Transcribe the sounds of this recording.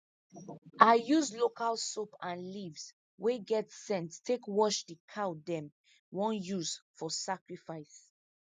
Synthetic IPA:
ʔaɪjuzlokalsopãnlivs | weɡɛtsɛ̃nttʰːekwɔʃdikʰaʊdɛ̃m | wɔ̃njuz̥fɔsakɹifaɪs

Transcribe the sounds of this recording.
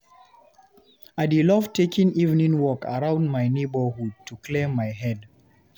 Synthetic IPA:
adilɔvtʰekĩŋivnĩŋwɔkʰə̰ɹãʊ̃ndmaɪnebəhud̚tʰukʰlẽmːajɦɛd

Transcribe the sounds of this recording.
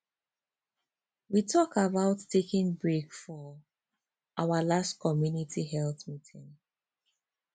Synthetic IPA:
witʰɔkabaʊtʰːekɪ̃ŋbɹekfɔ | ʔaʊəlastkʰɔmjunitʰiɦɛlˠθmitʰɪ̃ŋ

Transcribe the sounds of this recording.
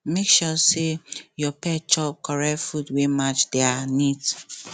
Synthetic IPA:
mekʃɔsejɔpɛt͡ʃɔp̚kʰɔɹɛfudwemat͡ʃdeanit

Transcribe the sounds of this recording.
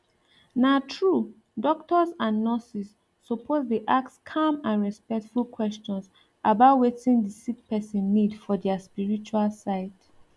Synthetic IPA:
natʰɹu | dɔk̚tɔzãnːɔsisː | ɔpʰozdeʔaktskʰãmãnɹɛspɛk̚tfulkʰwɛst͡ʃɔ̃ns | ʔabaʊtwetĩŋdəsik̚pɛsĩnːidfɔdɛaspiɹit͡ʃualsaɪt

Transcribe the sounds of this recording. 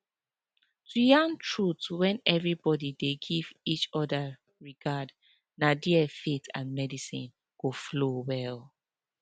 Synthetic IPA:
tujãntʰɹutwɛ̃nɛvɹibɔdideɡivit͡ʃɔda | ɹiɡad | nadiɛfetʰã̰nmɛdisḭ̃n | ɡ̥oflowɛl

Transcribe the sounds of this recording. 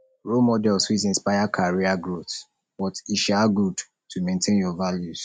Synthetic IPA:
ɹomɔdɛlswitĩnspajakʰaɹiaɡɹot | bɔtiʃaɡud | tʰumẽntʰẽnjɔvaljuz̥

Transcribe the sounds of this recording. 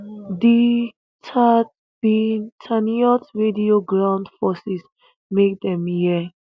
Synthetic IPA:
di | tʰa | bitʰaniɔtɹedioɡɹãw̃ndfɔsis | mek̚d̪ɛ̃mji

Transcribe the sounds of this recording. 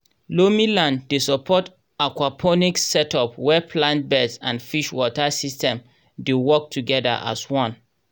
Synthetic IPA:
lomilãndesɔpʰɔt | akwapʰɔniksɛtɔpwɛpʰlãnt̚bɛdsãnfiʃwɔtasistɛ̃m | dewɔk̚tʰuɡɛda̰ʔa̰swɔ̃n

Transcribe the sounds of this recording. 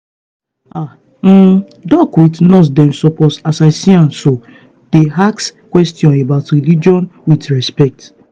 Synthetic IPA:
a | m̩ | dɔkwitnɔs̬dɛ̃msɔpɔsasaɪsiãnso | d̥eɦakskwɛstjɔ̃nebaʊtɾilid͡ʒiɔ̃nwidɾɛspɛk̚t

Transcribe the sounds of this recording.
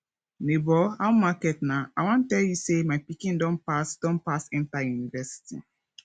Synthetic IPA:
nebɔãw̃makɛtnãawãntɛljusemaɪpikĩndɔ̃npasd̥ɔ̃npasɛ̃ntajunivɛsi̥tḭ

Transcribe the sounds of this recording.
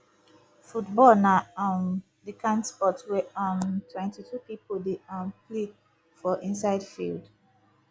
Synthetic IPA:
futbɔlnaãn | dikʰãnspɔtwɛɔ̃ntʰwɛ̃ntʰitʰupipodeãmple | fɔʔĩnsaɪdfḭld

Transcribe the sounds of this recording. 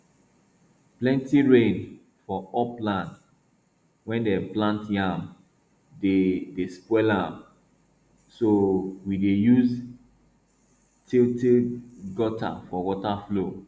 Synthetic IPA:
plɛ̃ntiɹẽn | fɔɔplãnt | wɛ̃ndɛplãntjãm | dedespɛlam | sowidejuz | tʰiltiɡɔta̰fɔwɔtaflo

